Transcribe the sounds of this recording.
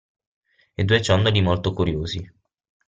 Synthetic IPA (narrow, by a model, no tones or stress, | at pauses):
ed̪uet͡ʃɔnd̪olimolt̪okuɾjoːzi